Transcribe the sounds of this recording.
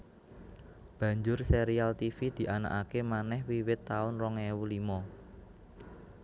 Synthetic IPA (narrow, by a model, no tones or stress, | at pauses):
b̥ä̤ɲd͡ʒʊrseɾialt̪ifid̪̥i̤ʔana̰kakemanɛhwiwɪt̪ːaʊnrɔŋewulimɔ